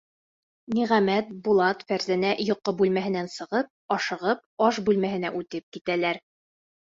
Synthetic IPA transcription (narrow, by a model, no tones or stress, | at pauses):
niʁæmæt̪̚bulˠɑt̪fæɾzænæʔjŏqːɤbʉlmæɦɘ̆nænsɤ̆ʁɤp̚ɒʃɤ̆ʁɤp̚ɒʃbʉlmæɦɘ̆næʔʉt̪ɘp̚kit̪ælæɾ